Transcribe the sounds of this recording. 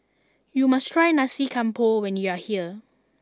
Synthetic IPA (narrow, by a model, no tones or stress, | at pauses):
jumastʰɹajnasikʰãmpʰowɛ̃njuahiə